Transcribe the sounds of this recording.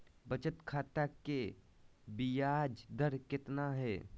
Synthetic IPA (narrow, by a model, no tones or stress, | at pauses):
bət͡ʃət̪kʰaːt̪ake | bijaːd͡ʒd̪əɾkɪt̪naɦɛː